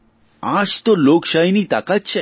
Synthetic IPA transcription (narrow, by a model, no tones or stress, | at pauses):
aʃt̪olokʃajnit̪a̰kat̪̚t͡ɕʰe